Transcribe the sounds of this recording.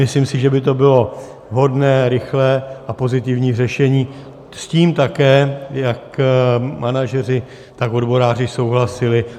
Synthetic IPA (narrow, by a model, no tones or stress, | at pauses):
ɪslimsɪʒɛbɪt̪o̞bɪlo̞ | ɦo̞dnɛːɾɪxlɛːʔapo̞zɪt̪ɪvɲiːrɛʃɛɲiː | sciːmt̪akɛːjak | manaʒɛr̝ɪ | t̪ako̞dbo̞ɾaːr̝ɪso̞wɦlasɪlɪ